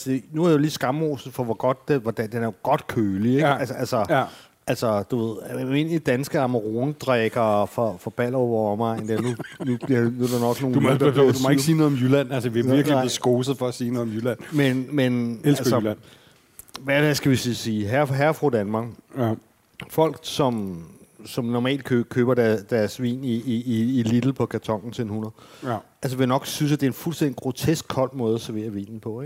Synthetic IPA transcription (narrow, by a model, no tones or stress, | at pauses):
sd̥enuæɐ̥ejoliːsɡ̥ɑ̈mo̰ːsð̩ˠfɒ̽ʋɒɡ̥ɒ̽d̥deʋɒd̥æd̥enæɐjo̝ɡ̥ɒ̽d̥kʰøːlieɡælsælsɒ | ælsɒd̥uʋe̝ð̰ˠe̝nid̥ænsɡ̥əɑ̈məʁo̝ːnəd̥ʁɛɡ̥ɐfɒ̽fɒ̽b̥æl̰ɒʋɒɒmɑ̈ɪ̰nd̥æɐnunub̥liɐnuæɾ̥ɑnɒ̽ɡ̥no̝ːnmdumeɡ̥siːnɔðˠɒmjylæn̰ælsəʋeʋiɐɡ̥lil̰ɪleð̩ˠsɡ̥o̝ːsð̩ˠfɒ̽æsiːnɔ̽ð̩ˠɒ̽mjylæn̰menmenslsn | ʋææsɡ̥æʋissiːɦæɐɦæɐfʁod̥ænmɑ̈ːɡ̥ | fɒ̽l̰ɡ̥sɒ̽m | sɒ̽mnɒmɛ̰ːld̥kʰøkʰøːb̥ɐdæd̥æɐsʋḭːniːilid̥l̩pʰɒ̽kʰæɐt͡sʰɒ̽ŋ̰n̩t͡sʰe̝enunɐð̩ˠ | æls̬əʋenɒ̽ɡ̥synsæd̥e̝ɐenfulsd̥end̥iɡ̥ʁo̝t͡sʰesɡ̥̚kʰɒ̽l̰d̥̚mɔ̽ːð̞ˠɐsæɐʋe̝̰ːɐʋḭːnn̩pʰɒ̽eɡ̥